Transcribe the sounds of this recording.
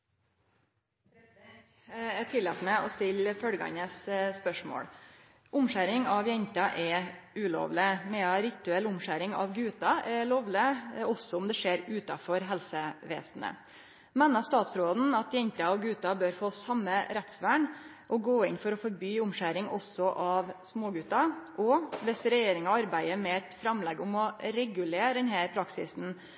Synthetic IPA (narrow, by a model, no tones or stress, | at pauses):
ɛt̪ʰɪlːɛt̪əmɛʔɔst̪ɪlfœɽɡɑ̰ɲəsspœʂmo̰ːɽ | ʔʊmʂæɾɪŋɑʋjɛɲt̪ɑʔɛʉːlo̰ːʋlɪmɛɑɾɪt̪ʉɛlʊmʂæɾɪŋɑ̰ʋɡʉːt̪ɑʔɛloːʋlɪɔsɔʊmd̪ɛʂeːɾʉːt̪ɑfɔɾɦɛlsəʋḛːsn̩ə̰ | mɛnɑst̪ɑːt̪sɾoːd̪n̩ɑt̪jɛɲt̪ɑɔɡʉːt̪ɑbøːɾfoːsɑmːəɾɛt̪sʋæːɳ | ʔɔɡoːɪnfɔɾɔfɔɾbyːʊmʂæɾɪŋɔ̰sːɔʔɑʋsmoːɡʉːt̪ɑʔɔʋɛsɾɛjeːɾɪŋɑɑɾbæɪəmɛɛt̪fɾɑmːlɛɡːʊmɔɾɛɡʉleːd̪ɛnhæːɾpʰɾɑksɪ̰sn̩